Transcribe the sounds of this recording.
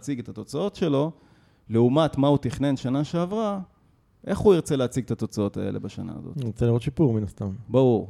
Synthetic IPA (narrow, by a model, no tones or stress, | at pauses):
t͡siɡet̪at̪o̞t͡sao̞t̪ʃe̞lo̞ | leumat̪maut̪iχnenʃanaʃe̞avʁa | ʔe̞χuiʁt͡seleat͡siɡ̚t̪at̪o̞t͡sao̞t̪ae̞̰lʔe̞̰baʃana̰ːzo̰tot͡seliːʁot̪ʃipuʁminast̪ambaʁuʁ